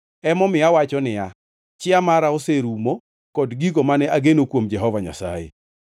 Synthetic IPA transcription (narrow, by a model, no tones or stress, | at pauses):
ɛmɔmɪawat͡ʃɔnɪa | t͡ʃɪamaɾaoseɾumo | kɔdɡiɡomanɛʔaɡenokwomd͡ʒɛɦɔvaɲa̰sa̰jḛ